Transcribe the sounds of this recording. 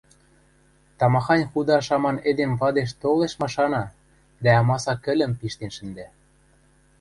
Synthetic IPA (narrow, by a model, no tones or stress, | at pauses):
t̪ɑmɑxɑnʲxud̪ɑʃɑmɑned̪enβɑd̪eʃ̬t̪oleʃmɑʃɑnɑ | d̪æɑmɑsɑkɘ̆lʲə̆mpiʃt̪enʃə̆nd̪æ